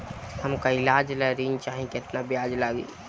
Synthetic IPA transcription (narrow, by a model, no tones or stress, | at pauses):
həmkaɪlaːd͡ʒlɛɾint͡ʃaːɦĩket̪nabjaːd͡ʒlaːɡḭː